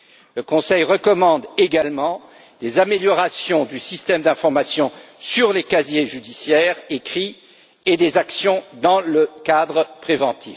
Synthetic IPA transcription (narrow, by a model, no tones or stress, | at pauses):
ləkɔ̃sɛjʁəkɔmɑ̃d̪eɡalmɑ̃ | d̪ezameljɔʁasjɔ̃d̪ysist̪ɛmd̪ɛ̃fɔʁmasjɔ̃syʁlekazjeʒyd̪isjɛʁekχi | ed̪ezaksjɔ̃d̪ɑ̃ləkad̪ʁəpχevɑ̃t̪ʰif